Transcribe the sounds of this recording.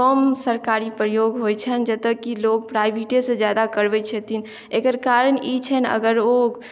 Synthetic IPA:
əmsəɾkaɾipɾəjoɡɦojt͡ʃʰənd͡ʒət̪əkːiloɡ̚pɾajbʱiʈesẽd͡ʒjad̪akəɾbɛt͡ʃʰət̪in | ekəɾkaɾənit͡ʃʰɛnə̰ɡəɾoɡ

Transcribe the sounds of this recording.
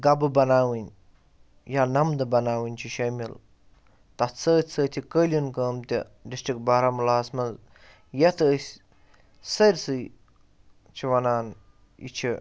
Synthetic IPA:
ɡɐbɨbɐnaːwinʲ | jaːnɐmd̪ɨbɐnaːwinʲt͡ʃʰiʃɐmil | t̪ɐt̪t͡səːt̪ʲt͡səːt̪ʰikəːlʲinkəːmt̪ʲḭ | disʈik̚baːɾɐmlaːsmɐnz | jɐt̪ɨːsʲ | sɐɾʲsɨj | t͡ʃʰiʋɐnaːn | ḭt͡ʃʰi

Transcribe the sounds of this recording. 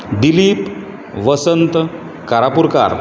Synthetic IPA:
d̪iliːp | ʋəsənt̪ | kaɾapuɾka̰ɾ

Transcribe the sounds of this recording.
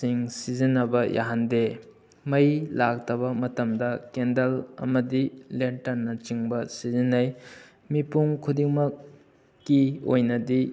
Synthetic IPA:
siŋsizinːɐbɐjʔa̰ɦande | mɐjlak̚tɐβɐmɐtɐmdɐkendɐlɐ̰mɐdilentɐɾnɐt͡ʃiŋbɐsizinːɐj | mipuŋkʰudiŋmɐkː | iojnɐdi

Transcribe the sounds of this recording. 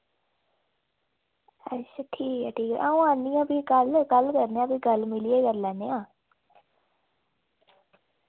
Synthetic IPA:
əsəʈʰiːkɦɛːʈʰiːkɛ̰ʔaːũːaːnijãːpiːɡəlkəlkəɾneːãːpiːɡəlmɪlieːkəɾlɛːneːãː

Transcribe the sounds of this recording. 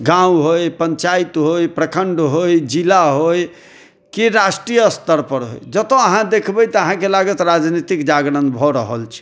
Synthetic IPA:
ɡãũɦojpəɲt͡ʃait̪ɦojpɾəkʰəɳɖɦojd͡ʒilaɦoj | kiɾasʈɾijəst̪əɾpəɾɦo̰jd͡ʒət̪oəɦãd̪ekʰbəjt̪əɦãkelaɡət̪ɾad͡ʒnit̪ikd͡ʒaɡɽənbʱɔɾəɦəlt͡ʃʰi̥

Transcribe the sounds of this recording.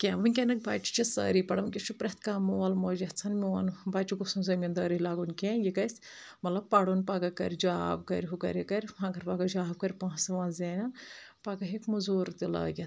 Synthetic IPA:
kʲeːʋɐnʲkʲenɐk̚baːt͡ʃi̥t͡ʃisɐ̰ːɾipɐɽɐʋnkʲit͡ʃʰupɾɐt̪ʰkaːmuʋɐlmoːd͡ʒɐt͡sʰɐnmʲiʋɐnbaːt͡ʃiɡusunzɐmʲind̪ɐːɾilaːɡunkʲẽjikɐsʲ | mɐt̪lɐb̚pɐɽunpɐɡɐkɐ̰ɾʲd͡ʒaːbkɐɾʲɦukɐ̰ɾʲekɐɾʲɦɐ̃ɡɐɾpɐɡɐd͡ʒaːb̚kɐɾʲpãːsɐʋãːnzeːnɐnpɐɡɐɦikmuzuːɾt̪ilɐ̰ːɡʲɐt̪

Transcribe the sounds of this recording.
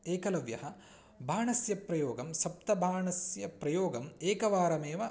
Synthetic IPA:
eːkɐlɐʋjɐ̰ɦɐ | bʱaːɳɐsjɐpɾɐjoːɡɐmsɐp̚t̪ɐbʱaːɳɐsjɐpɾɐjoːɡɐmeːkɐʋaːɾɐmeːʋɐ

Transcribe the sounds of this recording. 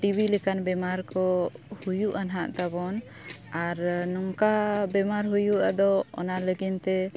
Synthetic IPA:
ʈibʱilɛkanbɛmaɾkɔhujuʔanɦaʔt̪abɔn | aɾnɔŋkabɛmaɾɦujuʔad̪ɔɔ̰naləɡint̪ɛ

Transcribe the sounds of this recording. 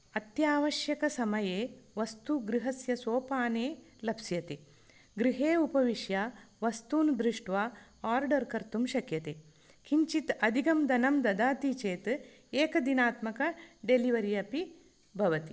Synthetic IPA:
ɐt̪jaːʋɐʃjɐkɐsɐmɐjeːʋɐst̪uɡɾiɦɐsjɐsoːpaːneː | lɐpsjɐt̪e | ɡɾiɦeːupɐʋiʃjaːʋɐst̪uːnd̪ɾiʂʈʋaːaːɾɖɐɾkɐɾt̪umʃɐkjɐt̪eː | kʰiɲt͡ʃit̪ɐd̪ʱiɡɐmd̪ɐnɐmd̪ɐd̪aːt̪it͡ʃeːt̪ | eːkɐd̪inaːt̪mɐkɐɖeliʋɐɾijɐpi | bʱɐʋɐt̪i

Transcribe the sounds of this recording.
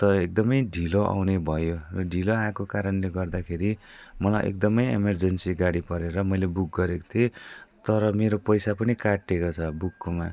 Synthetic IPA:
t̪ʌek̚d̪ʌmʌjɖʱiloʔa̰wnebʱʌjorʌɖʱiloakokaɾʌnleɡʌrd̪akʰeɾi | mʌlajʔḛk̚d̪ʌmʌjḛmʌrd͡zʌnsiɡaɽipʌɾeɾʌmʌjlebuk̚ɡʌɾeko̥t̪ʰiet̪ʌɾʌmeɾopʌjsapʌnikaʈːekot͡sʰʌbukːoma

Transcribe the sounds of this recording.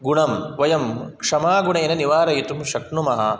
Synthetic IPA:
ɡuɳɐmʋɐjɐmkʂɐmaːɡuɳɐenɐniʋaːɾɐjit̪umʃɐkɳumɐɦɐ

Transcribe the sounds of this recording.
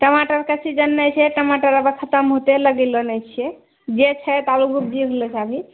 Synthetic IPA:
ʈəmaʈəɾkət͡ʃʰid͡ʒənːəjt͡ʃʰɛʈəmaʈaɾəbəkʰət̪əmɦot̪eləɡilɔnət͡ʃʰijɛ | d͡ʒet͡ʃʰɛt̪alukʰub̚d͡ʒiɦolɔt͡ʃʰabʱi

